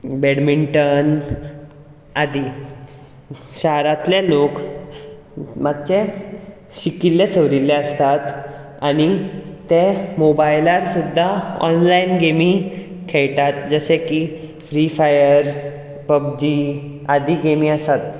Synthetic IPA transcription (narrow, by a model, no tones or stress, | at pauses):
beɽmiɳʈən | ad̪i | ɕaɦɾat̪ljalok | mat̪t͡ɕẽ | ɕikilːesəʋɾilːɛəst̪at̪ | añit̪ẽmobajlaɾsud̪ʱːaɔ̰nlainɡemikʰɛɭʈ̪at̪̚d͡zəɕɛkifɾifajəɾ | pəb̚d͡ʑi | ad̪iɡemĩəsat̪